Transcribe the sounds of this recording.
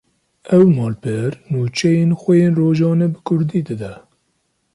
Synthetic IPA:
ɛwmɑːlpʰɨɾnuːt͡ʃʰɛjeːnxʷɛjeːnroːʒɑːnɛbɨkʰʊɾd̪iːd̪ɨd̪ɛ

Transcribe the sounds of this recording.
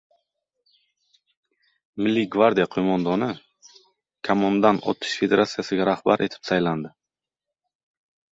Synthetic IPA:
mɪlːiɡvaɾd̪ijaqʰomɒnd̪ɔnɪ | kʰamɔnd̪anɒ̰t̪ʰɪ̥ʃfe̞d̪e̞ɾat̪sijasɪɡʲaɾahbaɾʔe̞t̪ʰɪ̥psajland̪ɪ

